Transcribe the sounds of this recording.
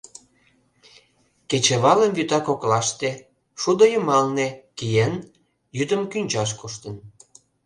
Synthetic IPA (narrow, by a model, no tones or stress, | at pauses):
ket͡ɕeβɑləmjyt̪ɑkoklɑʃt̪e | ʃud̪ojumɑlnekijen | jyd̪əmkynʲt͡ɕɑʃ̬kuʃt̪ən